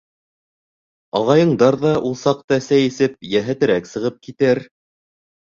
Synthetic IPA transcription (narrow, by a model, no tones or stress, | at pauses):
ɑʁɑjɤ̆ɴd̪ɑɾðɑʔulˠsɑq̚t̪ɑsæjisɘp̚jæɦæt̪ɘ̆ɾæksɤ̆ʁɤp̚kit̪ɘɾ